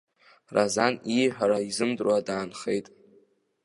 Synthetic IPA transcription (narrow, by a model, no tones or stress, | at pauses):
razaniħʷᶣaɾaizɨmdrwadaːnχejtʼ